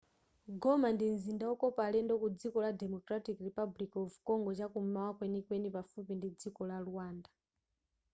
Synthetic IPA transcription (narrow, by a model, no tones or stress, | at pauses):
ɡɔmandinzindaɔkɔpalɛndɔkud͡zikɔladɛmɔkɾatikripablikɔvkɔŋɡɔt͡ʃakum̩mawakwɛnikwɛnipafupindid͡zikɔlaluwaːnda